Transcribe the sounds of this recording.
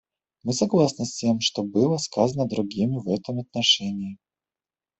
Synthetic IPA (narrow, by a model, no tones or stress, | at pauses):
mɨsɐɡlˠasnəsʲtʲe̞mʂt̪obɨlˠəskazənəd̪ɾʊɡʲimʲɪvɛt̪əmɐt̪̚nɐʂɛnʲɪː